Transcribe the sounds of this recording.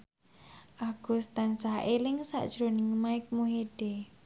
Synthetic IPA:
ʔaɡ̥ust̪ansaɦʔelɪŋsa̰ʔd̥ʒ̥ɾonɪŋmaɪk̚muɦed̥e

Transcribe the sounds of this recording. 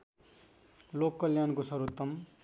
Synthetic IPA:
lokːʌljankosʌɾut̪ːʌm

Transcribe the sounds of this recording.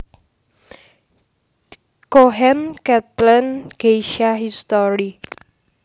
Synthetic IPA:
koɦɛnkɛt̪lɔnɡ̥eiʃaɦist̪oɾi

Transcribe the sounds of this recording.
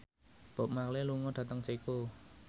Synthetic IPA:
b̥ɔ̤p̚makleluŋɔɖ̥ä̤t̪əŋt͡ʃeiku

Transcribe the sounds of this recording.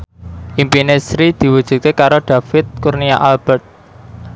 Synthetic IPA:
ʔimpinesɾid̪̥i̤wud̥ʒ̥ṳt̪̚kekaɾoɖ̪̥a̤fɪt̪̚kurniaʔalb̥ɛrt̪̚

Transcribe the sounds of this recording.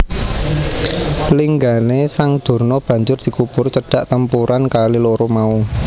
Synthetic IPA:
liŋɡanesaŋd̪̥o̤rnɔb̥ä̤ɲd͡ʒʊrd̪̥i̤kub̥ʊrt͡ʃəɖ̥a̤ʔt̪əmpuɾʔankaliloɾomau

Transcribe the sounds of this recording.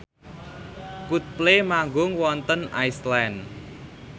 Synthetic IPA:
kut̪̚plemaŋɡʊŋwɔnt̪əna̰jslan

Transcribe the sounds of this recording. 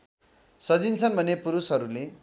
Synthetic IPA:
sʌd͡zint͡sʰʌnbʱʌnepuɾusɦʌɾule

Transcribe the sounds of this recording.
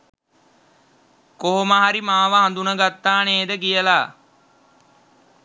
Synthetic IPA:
koɦoməɦaɾimaːʋəɦand̪unəɡat̪ːaːneːd̪əkijəlaː

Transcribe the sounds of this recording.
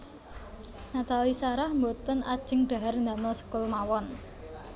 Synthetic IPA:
nat̪alisaɾahmbot̪əna̰d̥ʒ̥ə̤ŋɖ̥a̤ɦarnd̪a̤məlsə̥kʊlmawɔn

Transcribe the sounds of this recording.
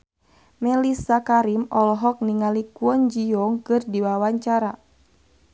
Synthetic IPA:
mɛlisakaɾimɔlɔɦɔk̚niŋalikuɔnd͡ʒijɔŋkɨrdiwawaɲt͡ʃaɾa

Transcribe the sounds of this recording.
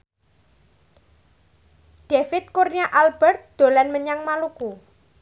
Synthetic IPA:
ɖ̥efɪt̪̚kurniaʔalb̥ɛrt̪̚d̪̥o̤lanməɲaŋmaluku

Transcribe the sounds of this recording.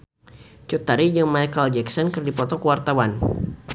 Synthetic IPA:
t͡ʃut̪aɾid͡ʒəŋmajkald͡ʒɛksɔnkɨrdipɔt̪ɔkəwart̪awan

